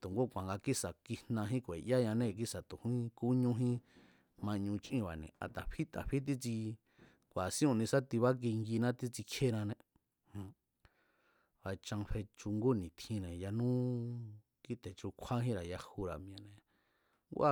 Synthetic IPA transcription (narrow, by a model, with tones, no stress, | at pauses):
t̪u˨ŋɡo˦kʷã˨ŋɡa˧ki˦sa˨ki˧nã˧ɦĩ˦kʷe˨ʔja˦ɲã˧nẽ˦˧˨k̬i˦sa˨t̪u˨hĩ˦ku˦ɲũ˦ɦĩ˦ | mã˧ɲũ˧t͡ʃʔĩ˧βa˨nḛ̃˨a̰˨t̪a˨ɸi˦t̪a̰˨ɸi˦t̪̬i˦t͡si˧ | kʷa˨sĩ˦ũ˧˨nĩ˧sa˦t̪i˧βa˦k̬i˧ŋɡi˧nã˦t̪i˦t͡si˧kʰe˦nã˧nẽ˧ | hã˧ | βa˧t͡ʃã˧ŋɸe˧t͡ʃu˧ŋɡo˦˨nĩ˨t̪ʰĩ˧nẽ˨ja˧nũ˦ | ki˦t̪e˨t͡ʃu˧kʷʰa˦ɦĩ˦ɾa˨ja˧hu˧ɾa˨mĩ˧ã˧nẽ˨ | ŋɡu˦ʔa˦˧